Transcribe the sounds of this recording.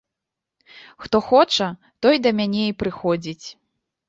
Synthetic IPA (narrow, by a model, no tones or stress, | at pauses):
xt̪ɔxɔt͡ʂɐ | t̪ɔjd̪ɐmʲanʲɛipɾɨxɔd͡zʲit͡sʲ